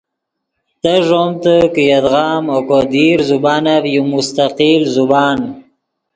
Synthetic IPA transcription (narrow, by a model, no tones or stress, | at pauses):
t̪əʐomt̪əkəjad̪ɣɑːmokod̪iɾzubɑːnavjumʊst̪aqilzubɑːn